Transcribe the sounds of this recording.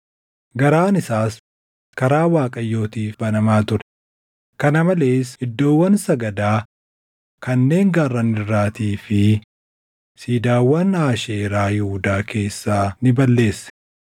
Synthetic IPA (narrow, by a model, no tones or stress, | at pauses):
ɡɐɾaːnɪsaːs | kɐɾaːwaːkʼɐjːo̞ːt̪iːfbɐnɐmaːt̪ʊɾɛ | kɐnɐmɐle̞ːsɪd̪ːo̞ːwːɐnsɐɡɐd̪aː | kɐnːe̞ːŋɡarːɐnɪrːaːt̪iːfɪ | siːd̪aːwːɐnaːʃeːɾaːhɪhʊd̪aːkʰe̞ːsːaːnɪbɐlːe̞ːsːɛ̥